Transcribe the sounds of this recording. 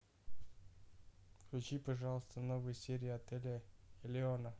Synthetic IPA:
kʲʊt͡ʃʲipɐʐɑlˠəst̪ənovɨjsʲeɾʲɪɐt̪ɛlʲɪɪlʲɪonə

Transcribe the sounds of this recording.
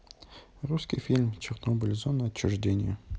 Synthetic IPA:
ruskʲɪjfʲilʲmt͡ɕɪrnobʲəlʲɪzonəɐt͡ɕːʊʐdʲenʲɪ̰jʊ

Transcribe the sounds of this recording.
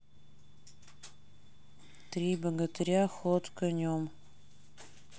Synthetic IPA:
t̪ɾʲibəɡət̪əɾʲaxot̪kənʲom

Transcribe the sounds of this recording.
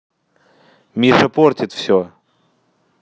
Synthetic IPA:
mʲiʂɐportʲɪt̪fsʲo

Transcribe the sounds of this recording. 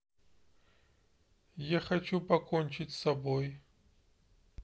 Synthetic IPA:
jaxɐt͡ʃupɐkonʲt͡ʃɪtʲsɐboj

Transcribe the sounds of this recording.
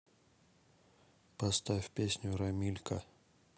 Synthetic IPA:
pɐst̪afʲpʲesʲnʲʊɾɐmʲilʲkɐ

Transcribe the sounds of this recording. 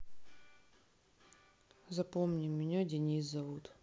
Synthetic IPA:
zɐpomnʲɪmːʲɪnʲadʲɪnʲis̬zɐvut̪

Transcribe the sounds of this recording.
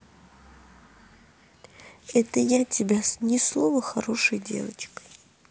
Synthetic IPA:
ɛt̪əjatʲɪbʲanʲɪslˠovəxɐɾo̞ʂɨjdʲe̞̰və̰t͡ɕkə̥j

